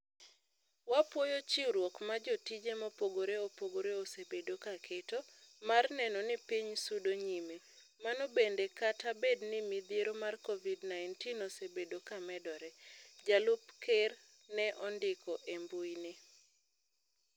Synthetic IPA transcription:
wapwɔjot͡ʃiɾwɔkmad͡ʒotid͡ʒemapoɡoɾeopoɡoɾeosebedokakʰetɔmarnɛnɔnɪpiɲsudoɲime | manɔbendekatabednɪmid̪jeɾomarkɔvidnaɪntinosebedokamɛdɔɾɛd͡ʒalupker | nɛʔɔndɪkɔʔembuinɪ

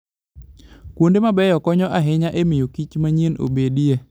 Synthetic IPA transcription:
kwondemabɛjɔkɔɲɔʔaɦɪɲaʔemɪjokit͡ʃmaɲeno̰bedije

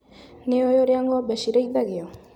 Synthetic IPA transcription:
neojoɾeaŋɡoabeʃiɾejðaɣeo

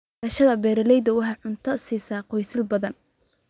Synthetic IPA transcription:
ɐʃɐðɐbɛːɾɐlɛjd̪ɐwɑħɑʕʊnt̪ʰɐsiːsaːqɔjsɪlbɐðɐn

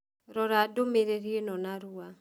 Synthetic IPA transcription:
ɾɔɾadomeɾeɾienɔnaɾua

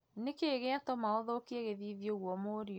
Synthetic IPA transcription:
nekeːɣeatɔmaoðokieɣeðiːðjoɣwɔmoːɾiɔ

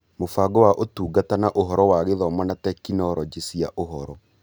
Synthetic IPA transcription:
mofaɡɔwaʔotuːɡatanaʔoɦɔɾɔwaɣeðɔmɔnatɛkinɔɾɔd͡ʒesiaʔoɦɔɾɔ

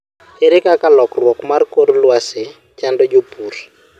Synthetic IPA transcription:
eɾikakalɔklwɔkumaɾikoɾulasɪ | t͡ʃandɔd͡ʒopuːri̥

